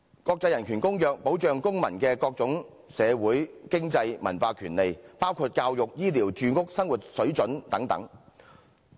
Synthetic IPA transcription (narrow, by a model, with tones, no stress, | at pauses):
kɔː˧k̚t͡sɐ˧jɐ˨˩nkʰyː˨˩nkʊ˥ŋjœː˨k̚po˨˥wt͡ʃœː˨ŋkʊ˥ŋmɐ̰˨˩nkɛː˧kɔː˧k̚t͡sʊ˨˧˥ŋ | sɛː˨˧wuː˨˥jkɪ˥ŋt͡sɐ˧jmɐ̰˨˩nfaː˧kʰyː˨˩nle˨jpaː˥wkʰuː˧t̚kaː˧wjʊ˨k̚jiː˥liː˨˩wt͡ʃyː˧ŋʊ˥k̚sɐ˥ŋwu˨˩t̚sɵ˨˥ɥt͡ʃɵ˨˥nt̪ɐ˨˥ŋt̪ɐ̰˨˥ŋ